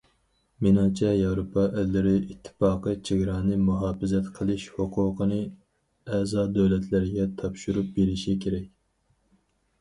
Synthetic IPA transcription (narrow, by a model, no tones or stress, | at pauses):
menɑːt͡ʃʰɛjɑwɾopʰɑʔælːɪɾɪʔit̪ʰːɪ̥fɑːqət͡ʃʰeɡʲɾɑːnɨmuɦɑːfɪzɛt̪qʰəlˠɨʃhoqʰʊːqənɨ | ɛzɑːd̪ɛwlɛt̪ʰlɪɾɪɡʲɛt̪ʰɑpʃuɾup̚beɾɪʃikʲʰeɾɛkʲ